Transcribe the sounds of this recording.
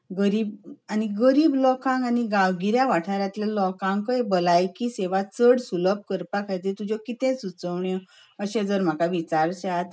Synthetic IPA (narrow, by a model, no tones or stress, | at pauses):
ɡəɾiːbaniɡəɾiːblɔkãŋɡaniɡawɡiɾjaʋaʈʰnaɾjãt̪lelɔkãŋkəebəlajkiseʋat͡səɽsuləp̚kəɾpakʰajt̪et̪ud͡ʑɔkit̪ɛ̃sut͡səʋɳjɔ | əɕẽd͡zəɾm̤akaʋit͡ɕaɾt͡ɕat̪